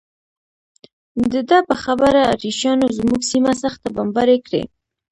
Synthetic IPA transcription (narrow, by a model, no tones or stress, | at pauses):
d̪əd̪ɑpəxabəɾa̰ɾiʃɑnozmuɡsimasaxt̪abɑmbɑɾekɽḛ